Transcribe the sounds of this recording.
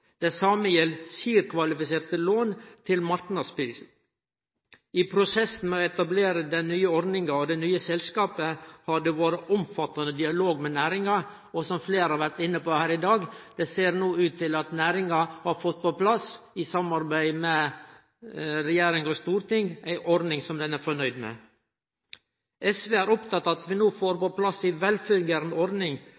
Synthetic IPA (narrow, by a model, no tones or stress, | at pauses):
d̪̥ɛsɑːməjɛlsiːɾkʰʋɑlɪfɪseːɾt̪əloːnt̪ʰɪlmɑɾʈnɑspiːs | ɪpʰɾʊsɛsn̩mɛɔɛt̪ɑbleːɾəd̪ɛnnyːəɔɾd̪nɪŋɑɔd̪ɛnyːəsɛlskɑːpəhɑɖɛʋoːɾəʔʊmfɑt̪ɑnəd̪ɪɑloːɡmɛnæːɾɪŋɑ | ɔsɔmfleːɾhɑɾʋæɾʈ̪ɪnːəpoːhæːɾɪd̪ɑːɡd̪̥ɛseːɾnuːʉːt̪ʰːɪlɑt̪næːɾɪŋɑhɑɾfɔt̪̚ːpɔpʰlɑsɪsɑmɑɾbæɪmɛ | ɾɛjeːɾɪŋɔst̪uːɾt̪ɪŋæɪʔɔɾnɪŋsɔmd̪ɛnæɾfɔɳœʏd̪mɛ̰ | ɛsʋeːæːɾɔpt̪ɑt̪ːɑɑt̪ʋɪnoːfoːɾpɔpʰlɑsɪʋɛlfœɾɡəɾnɔɾnɪŋ